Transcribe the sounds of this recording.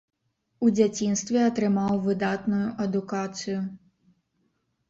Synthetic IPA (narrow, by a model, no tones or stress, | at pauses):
ud͡zʲat͡sʲinst̪vʲɛɐt̪ɾɨmawvɨd̪at̪nujuʔɐd̪ukat̪sɨju